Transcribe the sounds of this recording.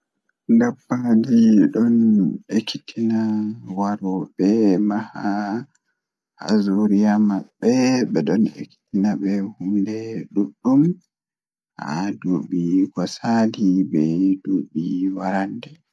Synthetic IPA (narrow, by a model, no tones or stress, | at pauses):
ndabːad͡ʒiɗɔnekːitʰinawaɾɔbɛmaha | ha̰zuɾijamaɓːɛɓɛɗɔnḛkːi̥tinaɓɛhumdɛɗuɗːum | ha̰duɓiɡɔsalibɛduɓiwaɾandɛ